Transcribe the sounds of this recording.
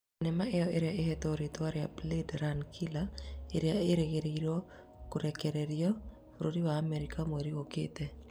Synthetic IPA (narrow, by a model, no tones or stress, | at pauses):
nɛmaejɔeɾeaehɛtoɾitwaɾea̰bledɾankʰilaeɾeaeɾeɣeɾeiɾɔ | koɾɛkɛɾɛɾjɔ | oɾodiwaːmɛɾikamweɾiɣoketɛ